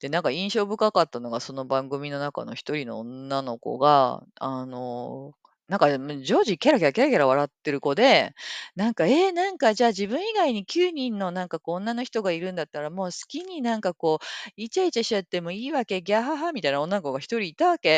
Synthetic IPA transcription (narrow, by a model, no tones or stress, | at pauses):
d̪̥e̞nãŋkaĩɰ̃ɕo̞ːbɯ̟kakat̪ːano̞ɡaso̞no̞bãŋɡɯ̟mʲino̞naka̰no̞çi̥t̪o̞ɾʲino̞̰onːano̞ko̞̰ɡaano̞̰ | nãŋkamd͡ʑo̞ːʑikʲaɾakʲaɾak̬ʲaɾakʲaɾaβ̞aɾat̪ːe̞ɾɯ̟ko̞d̪e̞nãŋkae̞nãŋkad͡ʑaːʑibɯ̟̃ɰ̃iɡaiɲ̟ikʲɨːɲ̟ĩnːo̞nãŋkakõːnːano̞çi̥t̪o̞ɡaiɾɯ̟̃nd̪at̪ːaɾamo̞ːsɨ̥kʲiɲ̟inãŋkako̞ːit͡ɕait͡ɕaɕiat̪ːe̞mo̞iːβake̞ɡʲaɦaɦamʲit̪ainao̞nːanokoɡaçʲi̥t̪o̞ɾʲiːt̪aβake̞